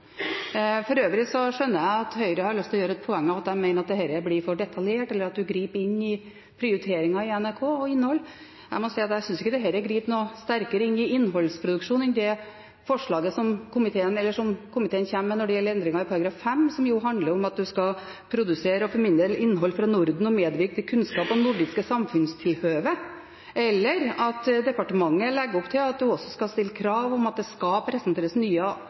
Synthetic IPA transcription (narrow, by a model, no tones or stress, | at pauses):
fɔɾøːʋɾɪsɔʂœnːəjæɪɑt̪hœʏəɾəhɑɾɭʏst̪ʰlɔjøːɾəɛt̪̚pʰɔɛŋːəɑʋɑt̪æɪmæɪnəɾɑt̪̚d̪ɛhɛɾəblɪɾfɔɖɛt̪ʰɑljeːʈɛlːəɾɑt̪̚d̪ʉɡɾiːpɪnːɪ | pʰɾɪʊɾɪt̪ʰeːɾɪŋɑɪɛnæɾkʰoːɔɪnːhɔlː | æ̰ɪmɔsɛɪɑt̪jæɪsʏnsɪkːəd̪ɛɦɛːɾəɡɾiːpnost̪æɾkəɾəɪnːɪʔɪnːɦɔlːspʰɾʊd̪ʉkʂuːnɪnd̪ɛ | fɔʂɭɑːɡəsɔmkʊmɪt̪ʰeːənɛlːəʂɔmkʰʊmɪt̪ʰeːənçæmːənɔɖɛjɛlːəɾɛnd̪ɾɪŋɑɪpʰɑɾɑɡɾɑːffɛmːsɔmjʊɦɑnd̪ləɾɔmɑt̪̚d̪ʉskɑ | pʰɾʊd̪ʉseːɾəɔfɔɾmɪnd̪əlɪnːɦɔlːfɾɑnʊɾd̪n̩ɔmeːd̪ʋɪɾk̚d̪ɛkʰʉnskɑːpɔmnʊɖɪskəsɑmfʉnst̪ʰɪlhøːʋə | ɛlːəɾɑt̪d̪ɛpɑʈəmɑŋːəlɛɡːɔpt̪ʰɪlɑt̪̚d̪ʉɔsːɔskɑlst̪ɪlːəkʰɾɑːʋɔmɑt̪̚d̪ɛskɑpʰɾɛsənt̪ʰeːɾəsnyːə